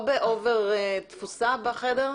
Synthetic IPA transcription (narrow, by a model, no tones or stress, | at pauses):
beʔoveʁt̪fusabaχed̪eʁ